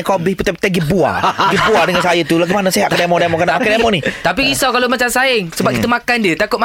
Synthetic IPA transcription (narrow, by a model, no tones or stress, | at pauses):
kobɪhput̪ɛp̚t̪aɡibua̰ɡibuadəŋansajət̪ulaɡimanaseɦaʔkadamɔ̃damɔ̃kanaʔakadamɔ̃nit̪apiːsawkalomat͡ʃamsaɪŋsəbap̚kit̪əmãkandiət̪akʊt̪̚m